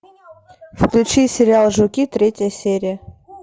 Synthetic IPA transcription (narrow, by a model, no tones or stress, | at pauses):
fklʲʉt͡ɕisʲɪɾʲɪalˠʐʊkʲit̪ɾʲetʲəjəsʲeɾʲɪjə